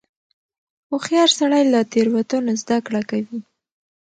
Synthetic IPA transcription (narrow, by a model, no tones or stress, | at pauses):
oxjɑɾsaɽajlat̪eɾwat̪unozd̪akɽakawi